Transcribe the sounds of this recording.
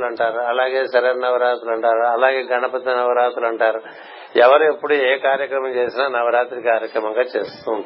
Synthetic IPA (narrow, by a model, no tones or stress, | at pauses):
lɐɳʈaːɾuɐlaːɡe̞ːsɐɾɐɾnɐʋɐɾaːt̪ulɐɳʈaːɾuɐlaːɡe̞ːɡɐnɐpɐt̪ːɐnɐʋɐɾaːt̪ulɐɳʈaːɾu | ɛʋɐɾuepːuɽueːkaːɾjɐkɾɐmɐmt͡ʃe̞ːsinaːnɐʋɐɾaːt̪ɾikaːɾjɐkɾɐmɐŋɡaːt͡ʃeːst̪uːund̪i